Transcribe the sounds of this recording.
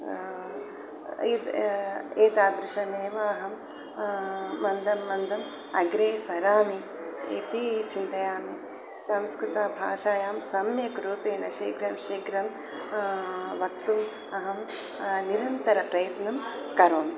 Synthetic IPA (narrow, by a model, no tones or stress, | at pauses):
id̪ | eːt̪aːd̪ɾuʃɐmeːʋɐɐɦɐm | ɐnd̪ʱɐmːɐnd̪ɐm | ɐɡɾeːsɐɾaːmi | ḛt̪it͡ʃint̪ɐjaːmi | sɐmskɾut̪aːbʱa̰ːʃaːjaːmsɐmjɐkɾuːpeːɳɐʃeːkɾɐmʃeːkɾɐm | ʋɐk̚t̪um | ɐɦɐm | niɾɐnt̪ɐɾɐpɾɐjɐt̪nɐmkɐɾoːn